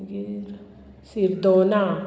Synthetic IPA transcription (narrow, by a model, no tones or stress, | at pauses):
ɡiɾ | siɾd̪oːna